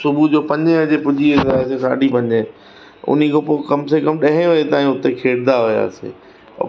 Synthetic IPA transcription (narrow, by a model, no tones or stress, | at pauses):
sʊbud͡ʑoːpɐ̃ɲd͡ʑẽɐd͡ʑepʊd͡ʑiesaːesesa̰ːɖʱipɐ̃ɲd͡ʑẽ | ʊ̰n̤ikopoːkɐmsekɐmɗɐɦẽɦʊet̪aːĩʊt̪ekʰeːɽd̪aɦʊja̰ːsḛː